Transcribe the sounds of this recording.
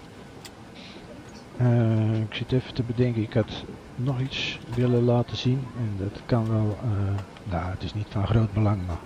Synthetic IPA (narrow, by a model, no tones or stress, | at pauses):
əɪksɪtɛfətəbədɛŋkəɪkhat | nɔxitsʋɪləlaːtəz̥inɛndɔtkanʋɛlˠ | jaːətɪsnitfɔnxroːt̚bəlaŋma